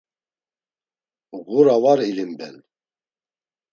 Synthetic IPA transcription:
ɣuɾawaɾilimbɛ̰n

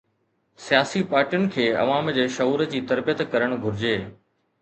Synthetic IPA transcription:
sijaːsipaːɾʈijʊnɪ̆kʰeːɐ̰ʋaːmd͡ʑeːʃɐɦuːɾəd͡ʑiːt̪ɐɾbijət̪kɐɾəɽ̃ɡʱʊɾɪd͡ʑeː

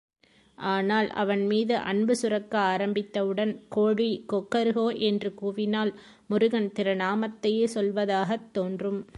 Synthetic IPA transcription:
ʔaːnaːlʔɐ̰ʋɐnmiːðɯʔɐ̰ɳbɯsʊrɐkːɐaːɾɐmbɪt̪ːɐʋɯɽɐnkoːɽikɔkːɐɾɯɣoːʔɛndrɯkuːʋɪnaːl | mʊɾʊɣɐnt̪ɪɾɐnaːmɐt̪ːɐjeːsɔlʋɐðaːɣɐt̪ːoːndrɯm

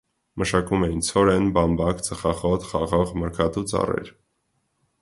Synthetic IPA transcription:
məʃɑkumɛjint͡sʰɔɾɛnbɑmbɑkt͡səχɑχɔt̪χɑʁɔʁməɾkʰɑt̪ut͡sɑ̰rɛ̰ɾ

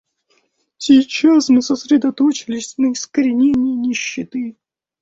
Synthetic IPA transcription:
sʲijt͡ʃasmɨsɐsɾʲɛd̪ɐt̪ɔt͡ʃɪlʲɪsʲnɐiskɐɾʲɪnʲenʲːinʲiɕːɪt̪ɨ

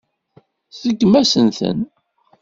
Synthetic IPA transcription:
θəɡːmæsənθə̰n

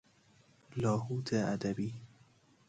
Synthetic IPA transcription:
lɒːhuːt̪ʰeæd̪æbiː

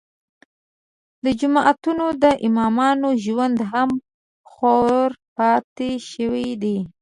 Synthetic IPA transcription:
d̪əd͡ʒʊmɑʔat̪unod̪əʔɪmɑmɑnoʒwand̪ɦam | xoɾpɑt̪eʃəwid̪i

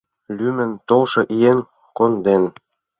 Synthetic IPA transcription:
lʲymə̆nt̪olʃɤ̆ʔijen | kond̪en

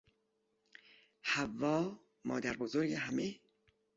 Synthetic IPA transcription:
hævːɒː | mɒ̰ːd̪æɾbozoɾɡeɦæme

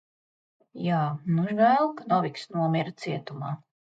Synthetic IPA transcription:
jaːnuʒɡæːlˠkanɔviksnuɔmʲiɾt̪siɛt̪umaː

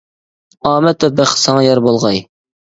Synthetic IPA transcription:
ɑːmɛt̪ɛbæχsɑŋɑjɑɾbolˠʁɑj

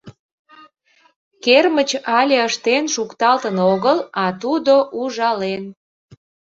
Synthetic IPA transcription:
kermət͡ɕɑlʲeəʃt̪enʃukt̪ɑlt̪ənoɣəlɑt̪ud̪oʔuʒɑlen

